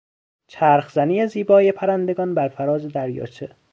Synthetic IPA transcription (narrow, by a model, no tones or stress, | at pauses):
t͡ʃʰæːɾxzæniːjeziːbɒːjepʰæɾænd̪e̞ɡɒːnbæɾfæɾɒːzed̪æɾjɒ̰ːt͡ʃʰe